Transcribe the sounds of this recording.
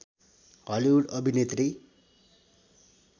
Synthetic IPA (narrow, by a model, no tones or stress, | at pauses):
ɦʌliuɽʌbʱinet̪ri